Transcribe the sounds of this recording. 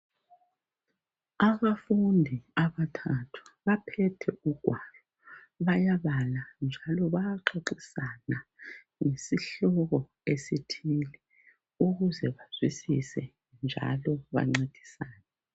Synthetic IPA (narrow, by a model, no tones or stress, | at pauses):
aβafundʱiaβatʰatʰu̥βapʰɛtʰɛuɡ̥ʱwalɔ | βajaβaland͡ʒʱalɔβajaǃʰeǃisana | ŋesiɬɔɣɔ | esitʰilɛ | uɣuzɛβaz̥wisisɛ | nd͡ʒʱa̰lɔβa̰ŋ͡ǀed̥ʱi̥saːnɛ